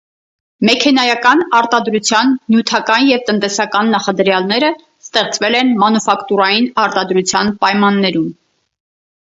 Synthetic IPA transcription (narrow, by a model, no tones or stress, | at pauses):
mɛkʰɛnɑjɑkɑnɑɾt̪ɑd̪ɾut͡sʰjɑnːjut̪ʰɑkɑnjɛvt̪ənt̪ɛsɑkɑnːɑχɑd̪əɾjɑlnɛɾə | st̪ɛχt͡svɛlɛnmɑnufɑkt̪uɾɑjinɑɾt̪ɑd̪ɾut͡sʰjɑnpɑjmɑnːɛɾum